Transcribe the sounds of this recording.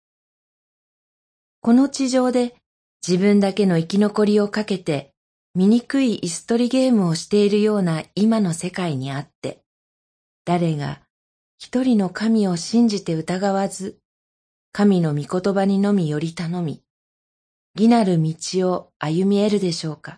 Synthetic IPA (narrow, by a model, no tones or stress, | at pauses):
ko̞no̞t͡ɕiʑo̞ːd̪e̞ | d͡ʑibɯ̟̃nd̪ake̞no̞ikʲino̞ko̞ɾʲio̞kake̞t̪e̞ | mʲiɲ̟ikɯ̟iʔːsɨ̥t̪o̞ɾʲiɡe̞ːmɯ̟o̞ɕi̥t̪e̞iɾɯ̟jo̞ːnaimano̞se̞kaiɲ̟iat̪ːe̞̰ | d̪̥aɾe̞ɡa̰ | çi̥t̪o̞ɾʲino̞kamʲio̞ɕĩɲ̟d͡ʑit̪e̞ɯ̟t̪aɡaβazɨ | kamʲino̞mʲiko̞t̪o̞baɲ̟ino̞mʲijo̞ɾʲit̪ano̞mʲḭ | ɡʲinaɾɯ̟mʲit͡ɕio̞ajɯ̟mʲie̞ɾɯ̟d̪e̞ɕo̞ːka